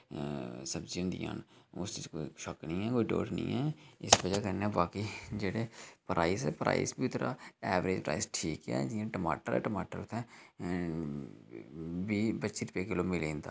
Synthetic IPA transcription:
səbd͡ʒiʊ̃nd̪ḭjã̰ːnʊsɪkoːiʃɔknĩɦɛːkoːiɖo̰ːʈnḭ̃ːɦɛːɪsbəd͡ʒakənɛbaːkid͡ʒeːɽepɾʔaːɪsɛːpɾʔa̰ːɪ̰sbʱiʊt̪ʰɾa̰ːɛːʋɾeːd͡ʒpɾa̰ːɪsʈʰiːkɦɛ̰ːd͡ʒiːãʈəma̰ːʈəɾɛ̰ːʈəmaːʈəɾʊt̪ʰːɛː | biːbətːʃiɾpeːkeloːmɪlẽːnt̪aː

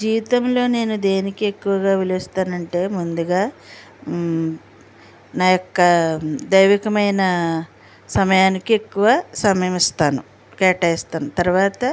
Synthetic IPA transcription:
d͡ʒiːʋit̪ɐmlo̞ːne̞ːnud̪e̞ːnikie̞kːuʋɐɡaːʋilist̪aːnɐɳʈe̞ːmund̪uɡaː | naːjokːɐd̪ɐjʋikɐmɐjnɐ | sɐmɐjaːnikie̞kːuʋasɐmɐjɐmist̪aːnu | kɛːʈɐist̪aːnut̪ɐɾuʋaːt̪ɐ

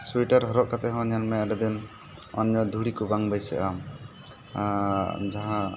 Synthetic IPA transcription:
suiʈaɾɦɔɾɔʔ̚kat̪ɛɦɔ̃ɲanmɛaɖɛd̪in | ɔ̰nɲɔd̪ʱuɽikubaŋbajsɛ̰ʔam | d͡ʒaɦã

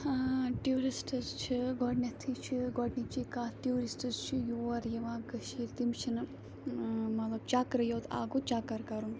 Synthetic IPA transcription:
ʈiuɾisʈɐzt͡ʃʰiɡɔɖnʲɐt̪ʰiːt͡ʃʰiɡɔɖnit͡ʃikaːʈijuːɾisʈɐzt͡ʃʰijuɐɾjɐʋãːɡɐʃiɾt̪imt͡ʃʰinɨ | mɐt̪lɐb̚t͡ʃaːkɾɐjoːt̪a̰ːɡut͡ʃaːkɐɾkɐɾum

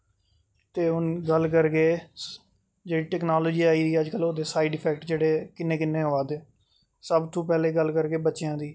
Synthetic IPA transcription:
t̪eːʊnɡəlkəɾɡeː | d͡ʒeːɽiːʈɛːknaːloːd͡ʒiːaːiːd̪iːəd͡ʒkəloːd̪eːsaːiːɖɪpʰɛːk̚ʈd͡ʒeːɽeːkɪnːẽːkɪnːẽːɦoaːd̪eː | səbt̪ʰõːpɛːleːɡəlkəɾkeːbətːʃjãːd̪iː

